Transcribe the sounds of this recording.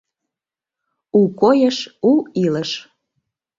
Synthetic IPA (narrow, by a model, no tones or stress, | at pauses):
ukojəʃuiləʃ